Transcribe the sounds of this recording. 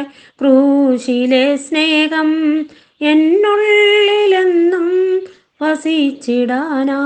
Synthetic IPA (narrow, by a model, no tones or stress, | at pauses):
kɾuʂilesneːɡɐm | enːuɭlennum | ʋɐsit͡ɕːiɽaːna